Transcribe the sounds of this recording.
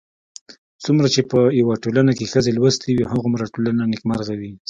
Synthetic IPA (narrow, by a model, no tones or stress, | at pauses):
t͡sumɾat͡ʃepəjawaʈolanakexəzelwəst̪ʰiwiɦaɣomɾaʈolananɪkmaɾɣawi